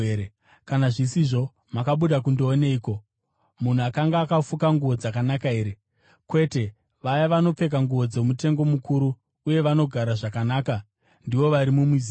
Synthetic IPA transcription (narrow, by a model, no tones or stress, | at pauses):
e | kanaʐisiʐo̞ | makaɓuɗak̬undoone̞iːko̞ | mun̤uakaŋɡaːkafukaŋɡuʋo̞d͡zakanakae̞ːɾe̞ | kwe̞te̞ | ʋajaʋano̞p͡fe̞k̬aŋɡuʋo̞d͡ze̞mute̞ŋɡo̞mukuɾuː | je̞ʋano̞ɡʱaɾaʐakanaːka | ndiʋo̞ʋaɾimumiz